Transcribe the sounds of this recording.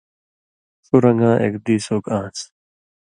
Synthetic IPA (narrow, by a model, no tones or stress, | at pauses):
suɾɐŋɡãːʔḛkd̪iːsoːkãːt͡s